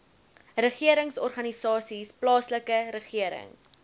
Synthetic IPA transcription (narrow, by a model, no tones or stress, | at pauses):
rəχiəɾəŋsɔrχɐnisɑːsisplɑːsləkəɾəχiəɾə̰ŋ